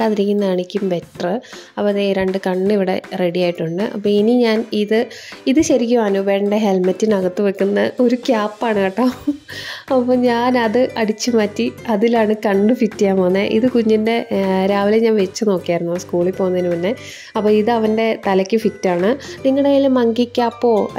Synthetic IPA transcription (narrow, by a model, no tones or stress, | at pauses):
kaːðiɾikʲːunːɐaːɳikʲːumbetrɨɐpːoðeɾeɳɖɨkɐɳːiʋiɽe̞̰re̞ɽijaːjiʈːuɳɖɨʔɐ̰pːoːiniɲaːniðɨiðɨɕɐɾikʲːuʋaːnoːbe̞ːɳɖeɦelmɐtːinɐɣɐt̪ːɨʋekːunːɐo̞ɾukaːpːaːɳɨkɐʈːɐ | ɐpːoːɲaːnɐðɨʔɐɽit͡ɕːɨmaːtːiɐðilaːɳɨkɐɳːɨfitːijaːmonːeʔḭðɨkuɲːɐnde̞ɾaːʋileɲaːnʋet͡ɕːɨno̞ːkːijaːjɾunːuskuːɭipːo̞ːunːɐðinːɨpɐnːe̞ | ɐpːoːiðɨɐʋɐnde̞t̪ɐlɐkʲːɨfitːaːɳɨniŋːɐɽelmɐŋɡikʲːaːpːo̞ː